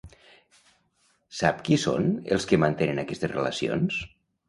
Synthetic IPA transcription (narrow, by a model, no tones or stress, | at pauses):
sapkiso̰nḛlˠskəmant̪enenakɛst̪ezrela̰sio̰ns